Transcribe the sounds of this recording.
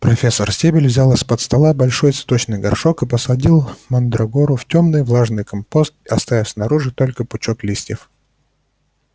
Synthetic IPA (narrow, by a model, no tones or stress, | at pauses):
pɾɐfʲesːərsʲebʲɪlʲvzʲalˠɨsʲpət̪st̪ɐlˠabɐlʲʂo̞jt̪sɨ̥t̪ot͡ɕnɨjɡɐrʂo̞kɨpəsɐdʲilˠmɐnd̪ɾɐɡo̞ɾʊftʲomnɨjvlˠaʐnɨjkɐmpo̞st̪̚ɪɐst̪avʲɪfʲsʲnɐɾuʐɨt̪o̞lʲkəpʊt͡ɕo̞klʲisʲtʲɪf